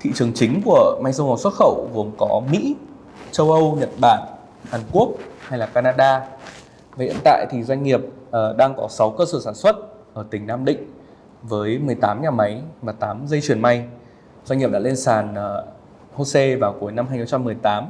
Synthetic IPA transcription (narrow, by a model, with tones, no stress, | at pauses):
t̪ʰḭ˧˨t͡ɕɨ˨˩əŋt͡ɕï˨˦ŋ̟ku˧˩əma˧jŋsə˧whaː˨˧˩swə˦˥t̚xə̰˧˨wvu˨˦əmkɔ˨˦mḭ˧˥ | t͡ɕə˧wʔə˧wɲə˨˩t̚ɓaː˧˩n | haː˨˩nku˦˥ək̚ha˧jlaː˨˩kaː˧naː˧ɗaː˧ | va˨˩hḭ˧˨ənt̪a̰ː˧˨jt̪ʰi˨˩zwa˧ŋ̟ŋi˨˩əp̚ə˨˩ɗaː˧ŋkɔ˨˦sa˨˦wkəː˧səː˧˩saː˧˩nswə˦˥t̚ʔəː˧˩t̪ï˨˩ŋ̟naː˧mɗḭ̈˧˨ŋ̟ | vəː˨˦jmɨ˨˩əjt̪aː˨˦mɲaː˨˩ma˨˦jvaː˨˩t̪aː˨˦mzə˧jt͡ɕwi˨˩ənma˧j | zwa˧ɲŋɲi˨˩ɗa̰˧le˧nsaː˨˩n˩ | ho˧se˧vaː˨˩wku˨˦əjna˧mhaː˧ɲxŋ͡mt͡ɕa˧mːɨ˨˩əjt̪aː˨˦m